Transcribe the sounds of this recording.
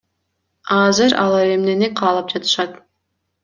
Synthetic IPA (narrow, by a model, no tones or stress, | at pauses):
ɑzɨɾɑ̰lˠɑɾe̞mneneqʰɑːlˠɑp̚d͡ʒɑt̪ɯ̥ʃɑt̪